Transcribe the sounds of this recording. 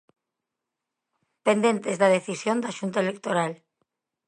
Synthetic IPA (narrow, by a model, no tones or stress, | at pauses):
pend̪ẽnt̪ezðaðeθisjond̪aʃunt̪aelekt̪oɾal